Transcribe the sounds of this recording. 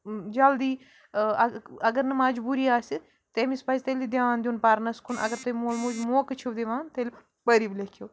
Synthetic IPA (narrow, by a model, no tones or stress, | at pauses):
d͡ʒɐld̪iː | əɡəɾnəmaːd͡ʒbuːɾiːaːsi | t̪emĩspazt̪elid̪jaːnd̪juːnpaɾnaskunɐ̰ɡəɾt̪omoːlmuːd͡ʒmoːkət͡ʃʰuʋd̪eːʋãːnt̪el | pəɾiːblekʰjoː